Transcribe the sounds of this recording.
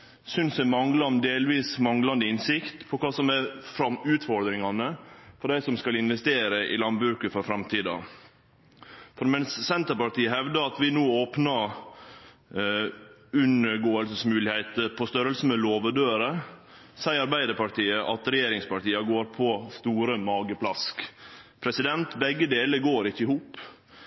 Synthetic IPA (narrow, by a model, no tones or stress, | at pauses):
sʏnsɛmɑŋlɑd̪eːlʋiːsmɑŋlɑnd̪əɪnsɪkt̪pʰɔkʰɑːsɔmæɾfɾɑmʉːt̪fɔɾd̪ɾɪŋɑnəfɔɖæɪsɔmskɑlɪnʋɛst̪eːɾəʔɪ̰lɑnbɾʉːkəfɔɾfɾɑmt̪ʰiːd̪ɑ̰ | fɔɾmɛnsːɛnt̪əɾpɑʈ̪iːəhɛʋd̪əɑt̪ʋɪnuːoːpnɑ | ʉnəɡoːəlsəsmʉːlɪheɪt̪əpʰɔst̪œɾəlsən̩mɛloːʋəɖ̪øːɾə | sæɪɑɾbæɪd̪əɾpɑɾʈiːəʔɑt̪ɾɛjeːɾɪŋspɑʈiːɑɡoːɾpʰɔst̪uːɾəmɑːɡəpʰlɑskpʰɾɛsɪd̪ɛnt̪bɛɡːəd̪eːləɾɡoːɾɪçːəɪhuːp